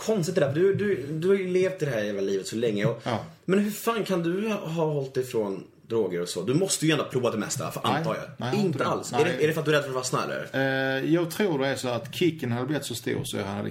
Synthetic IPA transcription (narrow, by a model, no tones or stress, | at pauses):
kʰɔnst̪ɪt̪ɪd̪æfəd̪ɵd̪ɵd̪ɵhɑjʉleːft̪ɪd̪ɛhæːɾheːlːaliːvət̪sɔlɛŋːəɔ | mɛnɦɵfaːnkʰand̪ɵɦɑɦɔlt̪̚d̪ɛfɾɔn | d̪ɾoːɡəɾɔsɔ̰d̪ɵmɔst̪əjɵɛnd̪pʰɾuːvat̪d̪ɛmɛ̰st̪a̰fœɾʔant̪ʰːɾja̰ɪnt̪əa̰lsæɖɛæɖɛfœɾat̪̚d̪ɵɾɛd̪fœɾt̪vɑɾsna̰ɛ̰l̰jɑːɡ̚t̪ʰɾuːdɛæsɔat̪kʰɪkːənhad̪əblɪɪt̪sɔst̪ṵːɾsɔj̰ha̰na̰d̪ə̰